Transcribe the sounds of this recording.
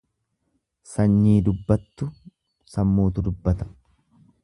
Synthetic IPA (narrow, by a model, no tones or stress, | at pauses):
sɐɲːiːd̪ʊbːɐt̪ːʊ | sɐmːuːt̪̬ʊd̪ʊbːɐt̪ɐ̥